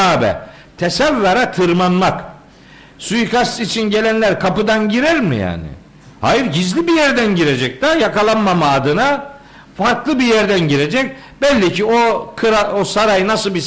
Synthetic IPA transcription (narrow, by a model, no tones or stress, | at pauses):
aːbɛ̰ | t̪ʰesævːaɾat̪ʰɯɾmanmak | sujkʰast̪it͡ʃʰinɟe̞lʲænlʲæɾkʰapɯd̪anɟiɾæɾmḭja̰ːnɪ̰ | ha̰jɯɾɟizlʲibijæɾd̪ænɟiɾe̞d͡ʒɛc̚d̪ajakalˠanmamaːd̪ɯna | faɾklˠɯbijæɾd̪ænɟiɾe̞d͡ʒɛc̚ | bɛlʲːicʰiokʰɯɾaosaɾajɯnasɯlˠbi